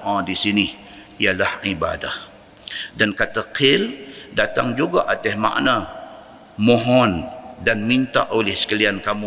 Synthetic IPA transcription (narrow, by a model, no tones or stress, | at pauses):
ʔãdisini | ialahiba̰da̰h | dankat̪aqʰɪldat̪aŋd͡ʒuɡaʔat̪ɛhma̰ʔna | moɦɔndanmint̪a̰ʔolɛhsə̥kaliankamu